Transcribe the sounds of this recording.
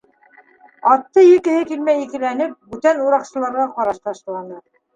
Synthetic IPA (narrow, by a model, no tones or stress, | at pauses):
ɑt̪ːɤjɘ̆kɘ̆hɘkilmæjikɘ̆lænɘp̚bʉt̪ænuɾɑqsɤ̆lˠɑɾʁɑqɑɾɑʃt̪ɑʃlˠɑnɤ